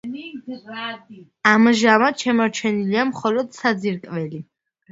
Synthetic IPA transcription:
amʒamaʃɛmɔɾt͡ʃʰɛniliamχɔlɔd̪̥sad̪ziɾkʼvɛli

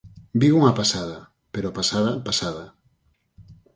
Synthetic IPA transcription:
biuŋɐpasaðɐ | peɾopasaðɐpasaðɐ

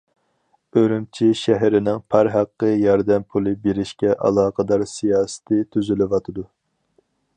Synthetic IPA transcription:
øɾymt͡ʃʰiʃæɦɾɪnɪŋpʰæɾɦæqːəjɑɾd̪ɛmpʰulˠɨbeɾɪʃkʲɛʔɑ̰lˠɑːqʰəd̪ɑɾsijɑːsɨ̥t̪ʰɨt̪ʰyzylɪʋɑt̪ʰɨd̪u

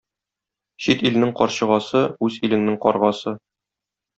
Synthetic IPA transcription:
ɕit̪il̆nɘŋqɒɾɕɤ̆ʁɑsɤʉzilɘ̆ŋnɘŋqɒɾʁɑsɤ

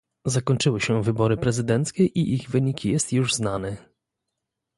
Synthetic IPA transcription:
zakɔɲt͡ʂɘwɘɕɛvɘbɔɾɘpɾɛzɘd̪ɛnt̪skʲɛʔiʔiɣvɘɲikʲijɛst̪juʐznanɛ

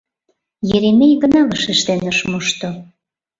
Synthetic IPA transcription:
jeɾemejɡə̆nɑβəʃeʃt̪enəʃmuʃt̪o

